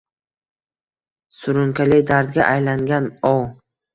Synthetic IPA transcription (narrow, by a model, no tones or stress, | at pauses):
sʊɾʊŋkʰʲalɪkʲd̪aɾd̪ɡʲaʔajlaŋɡʲanɒw